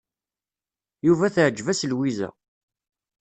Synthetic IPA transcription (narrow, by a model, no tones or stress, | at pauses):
juvæθʕd͡ʒːvæslwizæ̰